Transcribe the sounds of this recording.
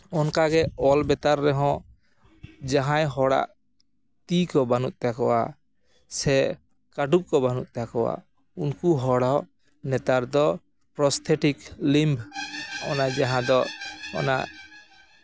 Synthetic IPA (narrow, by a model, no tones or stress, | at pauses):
ɔnkaɡɛɔlbɛt̪aɾːɛɦɔ̃ | d͡ʒaɦãjɦɔɽa̰ʔ | t̪ikɔbanut̪̚ˀt̪akɔwa̰ | sɛ | kaʈup̚kɔbanut̪̚t̪akɔwa̰ | unkuɦɔɽaw | nɛt̪aɾd̪ɔ | pɾɔst̪ʰɛʈiklimbɔ̰najd͡ʒaɦãd̪ɔɔ̰na̰ʔ